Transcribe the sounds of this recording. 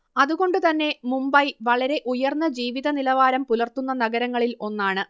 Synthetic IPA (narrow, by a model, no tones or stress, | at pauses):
ɐðuɣo̞ɳɖɨt̪ɐnːe̞mumbɐjʋɐɭɐɾe̞ʔujɐrnːɐd͡ʑiːʋiðɐnilɐʋaːɾɐmpulɐrt̪unːɐnɐɡɐɾɐŋːɐɭilo̞nːaːɳɨ